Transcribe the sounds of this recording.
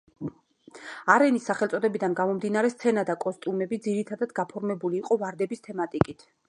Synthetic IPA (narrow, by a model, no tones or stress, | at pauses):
aɾɛnisːaχɛlt̪sʼɔd̪ɛbid̪anɡamɔmd̪inaɾɛst̪sʰɛnad̪akʼɔst̪ʼumɛbid̪ziɾit̪ʰad̪ad̪ɡapʰɔɾmɛbuliːqʼɔvaɾd̪ɛbist̪ʰɛmat̪ʼikʼit̪ʰ